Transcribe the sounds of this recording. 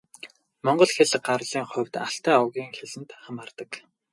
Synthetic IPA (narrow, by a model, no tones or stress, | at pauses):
mɔɴɢɞ̆ɮxeɮɢarɮiːŋχʊ̟wʲt̪aɬt̪æːɔwɣʲiːŋxeɮɘ̆nt̪χamaːrt̪ə̆k